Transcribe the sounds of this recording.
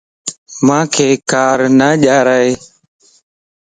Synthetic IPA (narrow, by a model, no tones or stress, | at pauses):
mãːkʰeːkaːɾnaːʄaːɾaːeː